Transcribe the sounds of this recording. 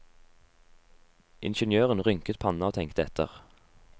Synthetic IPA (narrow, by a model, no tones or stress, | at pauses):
ʔɪ̰nʃənjøːʁənʁʏŋkət̪pʰɑnɑoːt̪ʰɛŋkt̪əɛt̪ʰə̰ʁ